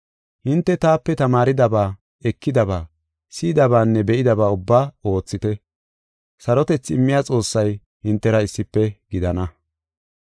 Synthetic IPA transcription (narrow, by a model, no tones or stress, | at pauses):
hɪnt̪ːɛt̪aːpːɛt̪ɐmaːɾɪd̪ɐbaː | ɛkːɪd̪ɐbaː | siːd̪ɐbaːnːɛbɛʔɪd̪ɐbaːʊbːaːo̞ːt͡sːɪt̪ɛ | sɐɾɔt̪ɛt͡sːɪmːɪjaːt͡sʼo̞ːsːɐj | hɪnt̪ːɛɾɐɪsːɪpːɛɡɪd̪ɐnɐ